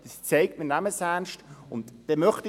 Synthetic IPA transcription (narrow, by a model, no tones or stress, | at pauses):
d̥əst͡seɪk̚tminæməsæːnʃtʊntd̥ɛmœχti